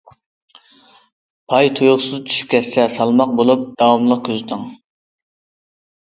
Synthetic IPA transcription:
pʰɑjt̪ʰujʁʊsɨzt͡ʃʰy̥ʃy̥p̚kʲʰɛsːɛsɑlˠmɑq̚bolˠup̚d̪̥ɑwɑmlˠəqkʲʰøzt̪ʰɨŋ

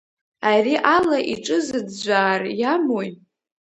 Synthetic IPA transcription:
ariʔalaʔiʈ͡ʂʼɨzɨdd͡ʒʷaːrjamoj

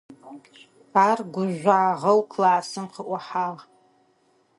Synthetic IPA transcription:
arɡʷʊʒʷaːʁəlkʰlaːsɨmqʰəʔʷaħal

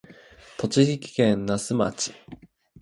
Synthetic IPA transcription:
t̪o̞t͡ɕiçikʲi̥kẽnnasɨma̰t͡ɕi̥

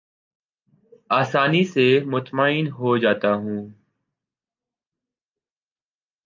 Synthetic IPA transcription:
aːsaːniːseːmʊt̪maːiːnɦoːd͡ʒaːt̪aːɦũː

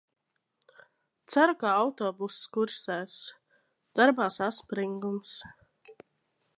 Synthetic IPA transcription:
t̪saɾukaawt̪ɔːbusskuɾsɛːs | d̪̥aɾbaːsaspɾiŋɡums

